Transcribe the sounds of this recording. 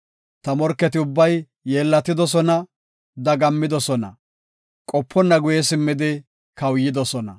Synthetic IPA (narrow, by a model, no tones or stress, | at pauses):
t̪ɐmɔɾkːɛt̪ɪʊbːɐj | jeːlːɐt̪ːɪd̪ɔs̬ɔnɐ | d̪ɐɡɐmːɪd̪ɔsɔnɐ̰ | kʼɔpʰːɔnːɐɡʊjɛs̬ɪmːɪd̪ɪ | kɐwjɪd̪ɔsɔnɐ̰